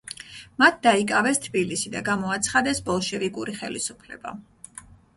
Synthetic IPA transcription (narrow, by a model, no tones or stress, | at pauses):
mat̪̚ʰd̪aikʼavɛst̪ʰbilisid̪aɡamɔat̪sʰχad̪ɛsbɔlˠʃɛvikʼuɾiχɛlisupʰlɛ̰ba̰